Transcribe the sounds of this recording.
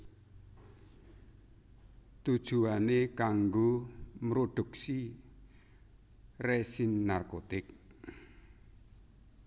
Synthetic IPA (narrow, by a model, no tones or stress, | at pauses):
t̪ud̥ʒ̥ṳanekaŋɡomɾoɖ̪̥ṳksi | resinːarkot̪ɪk̚